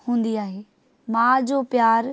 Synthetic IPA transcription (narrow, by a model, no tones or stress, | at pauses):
hũːn̆d̪iaːɦeː | mãːd͡ʑoːpjaːɾ